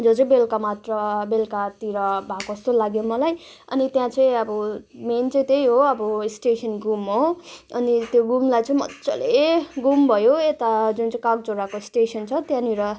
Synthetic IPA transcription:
d͡zot͡sʌĩbelkamat̪rʌbelkat̪iɾʌbʱakost̪olaɡjomʌlajʌ̰nit̪jãt͡sʌĩʌbʌment͡sʌĩt̪ejɦoʌbʌsʈesʰʌnɡumɦoʌnit̪joɡumlajt͡sʌĩmʌ̰tːt͡sʌ̰leɡumbʱʌjoet̪ad͡zunt͡sʌ̃kak̚d͡zoɾakoisʈesʌnt͡sʰʌt̪jãniɾʌ

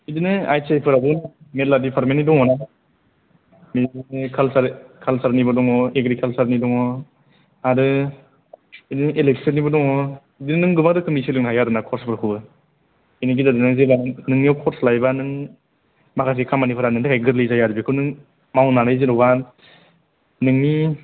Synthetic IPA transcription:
idɯnɯajsajpʰɯɾabɯmeladipʰaɾmenːidɔŋɔna | mikʰalsaɾkʰalsaɾnibɯdɔŋɔeɡɾikʰalsaɾnidɔŋɔ | aɾɯ | idɯnɯʔeleksɯnibɯdɔŋɔ | dinnɯŋɡɯbadɯkʰɯmnisilɯŋnɦajadɯnakʰɔɾsbʰɯɾkʰubɯ | iniɡidadɯnazebanɯŋniɔwkʰɔɾslajbanɯŋ | makʰas̬ekʰamanipʰɯɾanɯŋdʰɯkʰajɡɯɾlɯjzajaɾɯbikʰɯnɯŋ | mawnaɾajzelɔwba | nɯŋni

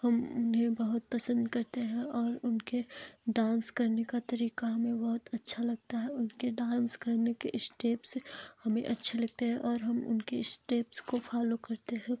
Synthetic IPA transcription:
hɐmʊnɦẽbɐɦʊt̪̚pɐsə̃nd̪kɐɾt̪eɦɛ̃ʔɔːɾʊnkeɖãːnskɐɾnekat̪ɐɾiːkaɦɐmẽbɐɦʊt̪ɐtːʃʰalɐɡ̚t̪aɦɛʊnkeɖãːnskɐɾnekeʔɪsʈeːpsehɐmẽʔɐtːʃʰelɐɡ̚t̪eɦɛ̃ʔɔːɾɦɐmʊ̰nkeɪsʈeːpskofʰaːlokɐɾt̪eɦɛ̃ː

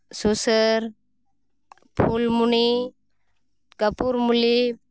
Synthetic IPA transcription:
susəɾ | pʰulmuni | kəpuɾmuli

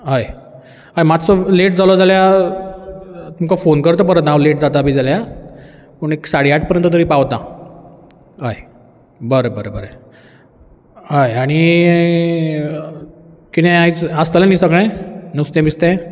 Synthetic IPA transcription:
ɦaj | ajmat̪sɔleʈ̚d͡zalɔd͡zalja | t̪umkafonkəɾt̪̬əp̬əɾət̪naleʈd͡zat̪aːbid͡zalja | puɳeksaɽiaʈ̚ʰpəɾjənt̪ət̪̬əɾiːpaʋt̪a | ɦaj | bəɾebəɾobəɾe | ɦajaɽ̃i | kinẽait͡səst̪əlanisəɡɭ̃ẽnəwst̪ẽmist̪ẽ

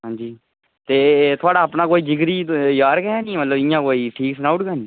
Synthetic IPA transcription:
ɦãːɲd͡ʒiː | t̪eːt̪ʰoaːɽaːpnãːkoːiːd͡ʒɪɡɾiːjaːɾkɛːãːnĩːmət̪ləbɪ̃jãːkoːiːʈʰiːksnaːʊʈɡaːnĩː

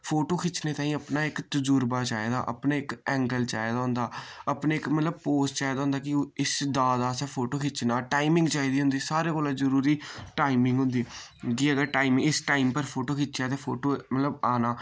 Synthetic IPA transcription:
pʰoːʈoːkʰɪt͡ʃneːt̪aːĩːəpnaːɪkt̪ʊd͡ʒʊɾbaːt͡ʃaːeːd̪a̰ːʔə̰pnaːɪkɛ̃ːŋɡəlt͡ʃa̰ːjd̪aːɦʊ̃nd̪aːəpneːɪkmət̪ləb̚poːst͡ʃaːjd̪aːɦʊ̃nd̪aːkɪɪsd̪aːd̪aːsɛːpʰoːʈoːkʰɪt͡ʃnaːʈaːimɪ̃ŋɡt͡ʃaːiːd̪iːɦʊ̃nd̪iːsaːɾeːkoːlãːzəɾuːɾiːʈaːimɪ̃ŋɡɦʊnd̪iː | kiəɡəʈaːimɪ̃ŋɪsʈaːimpəɾpʰoːʈoːkʰɪt͡ʃaːt̪eːpʰoːʈoːmət̪ləbaːnaː

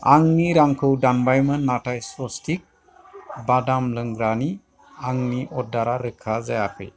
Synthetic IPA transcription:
aŋniɾaŋkʰɯwdanbajmɯnːatʰajsɔstʰik̚ | badamlɯŋɡɾani | aŋniʔɔdaɾaɾɯkʰazajapʰḛ

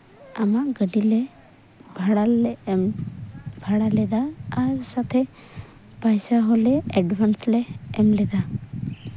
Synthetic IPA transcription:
amaɡəɖilɛ | bʱaɽalɛm | bʱaɽalɛd̪aːɾsat̪ʰɛ | pajsaɦɔlɛɛɖbʱanslɛːmlɛd̪a

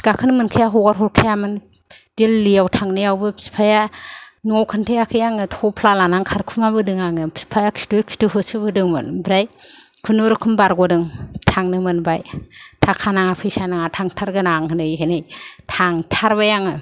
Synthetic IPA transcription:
ɡ̥akʰɯnɯmɯnkʰjaɦɔɡaɾɦɔɾkʰajamɯn | d̥elːijawtʰaŋnɯjawbɯpʰsi̥pʰajanawkʰantʰejakʰɯjaŋɯtʰɔpʰlalanaŋkʰaɾkʰumaβɯdɯŋaŋɯpʰsi̥pʰajakʰsi̥tukʰstuɦɯsɯbɯdɯŋmɯ̰nbɾajkʰɯnoɾɯkʰɯmbaɾɡɔdɯŋtʰaŋnɯmɯnbajtʰakʰanaŋapʰɯjsanaŋatʰaŋtʰaɾɡɯnaŋkʰɯnɯiɦʰɯnijtʰaŋtʰaɾbajaŋɯ

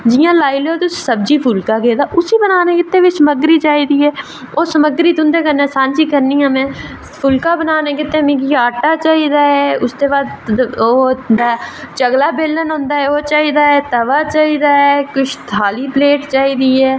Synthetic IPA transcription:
d͡ʒɪjãːlaːɪlot̪ʊssəb̚d͡ʒipʰʊlkaɡeːd̪aʔʊsibənaːnekɪt̪ːẽʋisəməɡɾit͡ʃaːid̪iɦɛː | oːsəməɡɾit̪ʊ̃nd̪ekəɾnẽsãːnt͡ʃikəɾniɦəmẽː | pʰʊlkabənaːnekɪt̪ːẽmĩkiaːʈat͡ʃaːɦid̪aːɦɛːʊst̪ebaːd̪od̪at͡ʃəɡlaːbeːlːənɦõːnd̪aːɦɛot͡ʃaːɦid̪aːɦɛːt̪ɐʋaːt͡ʃaːɦid̪aɦɛːkʊt͡ʃʰt̪ʰaːlipleːʈt͡ʃaːiːd̪iɦɛː

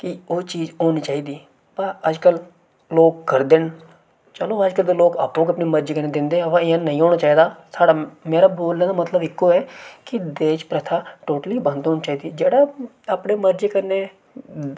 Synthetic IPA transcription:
kɪoːt͡ʃiːzoːniːt͡ʃaːiːd̪iː | paəd͡ʒkəl | loːkːəɾd̪eːn | t͡ʃəloːəd͡ʒkəɾd̪eːloːkaːpːõːkiəpneːməɾd͡ʒeːkəɾneːd̪ɪnd̪eːɦɛ̃əpãɪãnəĩːɦoːɽ̃aːt͡ʃaːiːd̪aːsaːɽaːmeːɾaːboːlɛ̃ːd̪aːmət̪ləbɪkːoːɛːkɪd̪eːt͡ʃpɾət̪ʰaːʈoːʈəliːbə̃nd̪ɦoːnt͡ʃaːiːd̪iːd͡ʒeːɽaː | aːpɽeːməɾd͡ʒekəɾneː

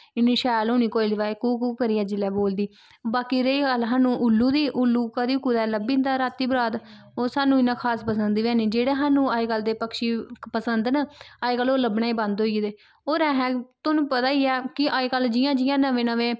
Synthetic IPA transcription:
ɪniːʃaːloːniːkoːilʋaːekuːkuːkəɾiːɛːd͡ʒɪlɛːboːld̪iː | baːkiːɾeikəlɦaːnũːʔʊlːũːd̪iːʔʊlːuːkəd̪iːkuːd̪ɛːləbiːnd̪aːɾaːt̪ːiːbɾaːd̪oːsaːnũːɪnãːkʰaːspəsənd̪iʋɛːniːd͡ʒeːɽeːɦaːnũːaːiːkəld̪eːpəkʃiːpəsənd̪nəaːeːkəlːoːləbɳaːiːbãnd̪ɦoːid̪eː | oːɾɛ̃ːɦɛ̃ːt̪onũːpət̪aːiːɛːkɪʔaːiːkəld͡ʒɪjãːd͡ʒɪjãːnəʋẽːnəʋẽː

